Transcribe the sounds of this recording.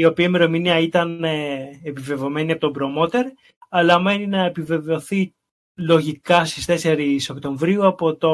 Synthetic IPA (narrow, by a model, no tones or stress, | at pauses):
io̞piɐimeɾo̞miniɐit̪ɐneepive̞vo̞me̞niɐpo̞t̪obɾo̞mo̞t̪e̞ɾ | ɐlɐme̞ninɐepive̞ve̞o̞θi | lo̞ʝikɐst̪ist̪e̞se̞ɾiso̞kt̪o̞ɱvɾiuɐpot̪o̞